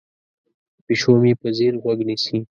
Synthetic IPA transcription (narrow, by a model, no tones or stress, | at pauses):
piʃomipəziɾɣwaɡnisi